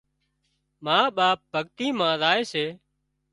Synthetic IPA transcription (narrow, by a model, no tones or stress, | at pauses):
maːɓaːp̚bʱəɠt̪iːmãːzaːeːseː